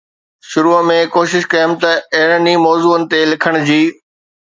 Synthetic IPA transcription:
ʃʊɾuːmẽkoːʃɪʃkɐjəm̆t̪ɐɐɦɪɾənimɔːzuːənɪ̆t̪elɪkʰəɽ̃d͡ʑiː

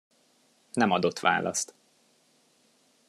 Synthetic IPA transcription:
nɛmɒd̪o̞t̪ːʋa̰ːlɒ̰st̪

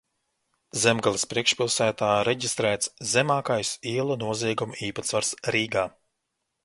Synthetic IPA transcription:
zɛmɡalˠispɾiɛkʃpilˠsæːt̪aːɾɛɟʲist̪ɾæːt̪szɛmaːkajsiɛlˠunuɔziɛɡumuiːpat̪svaɾsɾiːɡaː

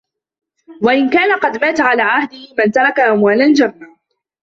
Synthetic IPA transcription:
waʔɪnkaːnaqɑd̪maːt̪aʕalaːʕahd̪ɪhɪmant̪ɑɾˤɑkaʔamwaːlald͡ʒanːa

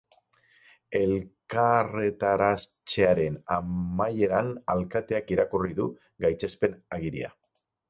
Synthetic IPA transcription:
e̞lkare̞t̪aɾast͡ʃeaɾe̞namaje̞ɾanalkat̪e̞akiɾakuriðu | ɡajt͡se̞spe̞naɣiɾḭa̰

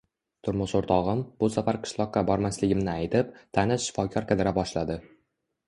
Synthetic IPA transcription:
t̪ʰʊɾmʊʃoɾt̪ʰɒʁɨmb̥ʊsafaɾqʰɨ̥ʃlˠɒqːɑbɒɾmaslɪɡʲɪmnɪajt̪ɪp̚t̪ʰanɪsʃɪ̥fɒkʰʲɒɾkʲʰad̪ɪɾabɒʃlad̪ɪ

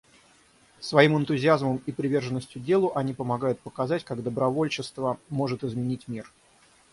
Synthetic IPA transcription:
svɐimɨnt̪ʊzʲɪazməmipɾʲɪvʲe̞rʐɨnːəsʲtʲjʊdʲe̞lˠʊʔɐnʲipəmɐɡajʊt̪̚pəkɐzatʲkaɡd̪əbɾɐvolʲt͡ɕɪst̪vəmo̞ʐɨt̪ɪzmʲɪnʲitʲmʲir

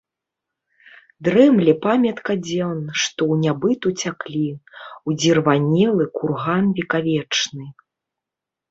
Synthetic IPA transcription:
d̪ɾɛmlʲɛpamʲɐt̪kɐd͡zʲɔnʂt̪ɔwnʲabɨt̪ut͡sʲaklʲiwd͡zʲirvanʲɛlˠɨkurɣanvʲikavʲɛt͡ʂnɨ

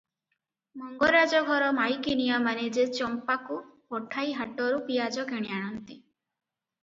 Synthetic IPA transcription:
mɔŋɡɔɾad͡ʒɔɡʱɔɾɔmajkinijamaned͡ʒet͡ʃɔmpakupɔʈʰajɦaʈɔɾupijad͡ʒɔkeɽ̃iaɽ̃ɔnt̪i

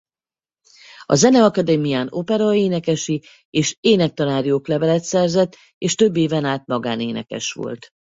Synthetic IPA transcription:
ɒ̰zɛnɛɒkɒd̪ɛmijaːnopɛɾɒeːnɛkɛʃi | eːʃeːnɛk̚t̪ɒnaːɾjoːklɛvɛlɛt̪sɛrzɛt̪ː | eːʃt̪ø̞bːeːvɛnaːt̪mɒɡaːneːnɛ̰kɛ̰ʃʋo̰lt̪

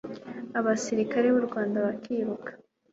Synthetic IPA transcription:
aβasiɾikaɾe̞βuɾɡwaːndaβakʰiːβukḁ

